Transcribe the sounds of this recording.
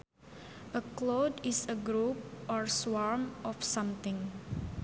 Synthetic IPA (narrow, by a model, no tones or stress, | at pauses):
ʔəklodisəɡɾup̚ɔɹswaɹmʔɔfsãmt̪ɪ̃ŋ